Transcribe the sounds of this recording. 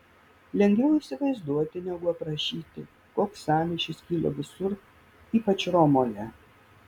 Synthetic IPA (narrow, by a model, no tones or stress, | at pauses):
lʲɛŋʲɡʲʋʲɛʊiːsʲɪʋɐɪzd̪uɔt̪ʲɪnʲɛɡʊɐpɾɐʃʲiːt̪ʲɪ̰ | koːksɑːmʲɪʃʲɪskʲiːlʲˠo̰ːʋʲɪsʊɾ | iːpɐt͡ʃɾɔmoːjɛ